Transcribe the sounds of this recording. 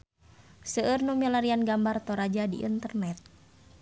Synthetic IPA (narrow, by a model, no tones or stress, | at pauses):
səərnumilaɾianɡambart̪ɔɾad͡ʒadiʔḭnt̪ərnɛt̪̚